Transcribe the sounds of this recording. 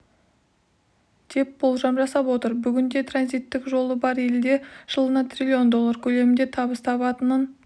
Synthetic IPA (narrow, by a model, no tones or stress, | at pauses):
d̪̥e̞p̚bo̞lˠʒɑmʒɑsɑpwo̞t̪əɾbʏɡʲɪnd̪e̞t̪ʰranzijt̪ːɪkʒo̞lˠəbɑɾe̞ld̪e̞ʒ̥əlˠənɑt̪ʰrʲilʲio̞nd̪o̞lˠːaɾkʲʰɵle̞mɪnd̪e̞t̪ʰɑβəst̪ʰɑβɑt̪ənən